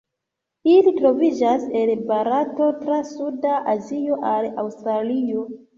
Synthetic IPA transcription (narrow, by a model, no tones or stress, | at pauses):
ilitɾo̞vid͡ʒase̞lbaɾato̞tɾasudaʔazio̞ʔala̰wstɾalio